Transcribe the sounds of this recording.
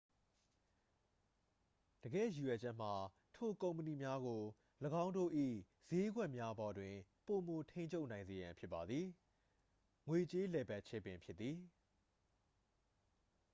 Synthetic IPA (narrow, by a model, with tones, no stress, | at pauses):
d̥əɡɛ̰˦˨ju˨jwɛ˨d͡ʑɛ˦˨m̥a˨ | tʰo˦˨kõ˨ʊ̃mpə˨ni˨mja˦ɡo˨ | ləɡã˦ʊ̃ndo̰˦˨ʔḭ˦˨ | z̥e˦ɡwɛ˦ʔmja˦bɔ˨dwɪ̃˨po˨mo˨tʰẽ˦ɪ̃ɲt͡ɕʰo˦ʊʔnã˨ɪ̃nze˨jã˨mpʰjɪ˦pːa˨d̪ði˨ | ŋwe˨t͡ɕe˦lɛ˨ba˦˨ʔt͡ɕʰɛ˦˨pɪ̃˨mpʰjɪ˦t̪ːi˨